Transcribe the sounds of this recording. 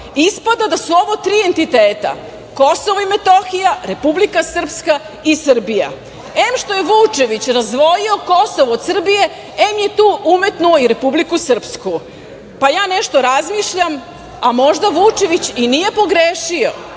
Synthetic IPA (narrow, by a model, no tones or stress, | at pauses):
ispad̪ad̪asuo̞ʋot̪ɾiːe̞nt̪it̪eːt̪a̰ | ko̞soʋoimet̪oxijaɾe̞publikasr̩pska | isr̩bija̰ | emʃt̪o̞je̞ʋut͡ʂe̞ʋit͡ɕɾazd̪ʋo̞jio̞ko̞soʋood̪sr̩bije̞ | emje̞t̪uːʔumet̪nuoiɾe̞publikusr̩psku | pajaːneʃt̪o̞ɾazmiʃʎam | amo̞ʒd̪aʋut͡ʂe̞ʋit͡ɕinije̞po̞ɡɾeːʃio̰